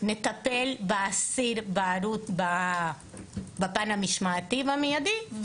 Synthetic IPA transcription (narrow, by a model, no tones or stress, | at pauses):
net̪apelbaasiɾbaːɾutba | bapanamiʃmaːt̪ivamijad̪i